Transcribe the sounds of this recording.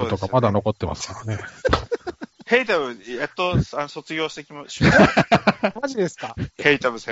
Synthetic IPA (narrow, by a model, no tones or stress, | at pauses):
ot̪o̞kamad̪ano̞ko̞t̪ːe̞ma̰sɨ̥kaɾane̞ | heit̪abɯ̟et̪ːoansot͡sɨɡʲo̞ːɕi̥t̪ekʲimaɕ | maʑid̪e̞sɨ̥kaheit̪abɯ̟sẽ